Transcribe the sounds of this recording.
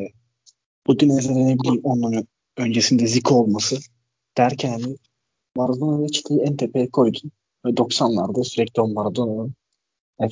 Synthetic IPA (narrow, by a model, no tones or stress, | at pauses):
ɛ | b̥ud̪inɛzeɾnɛbilʲiːonlˠaɾ | ø̞nd͡ʒesind̪ɛzikʰolˠmasɯ | d̪̥æɾcʰænni | vaɾad̪onlɛt͡ʃʰi̥t̪ʰajiɛnt̪ʰepʰejɛkʰoɾd̪ʰin | vɛd̪o̞ksanlˠaɾd̪asyɾɛclʲionvaɾad̪onun | ɛ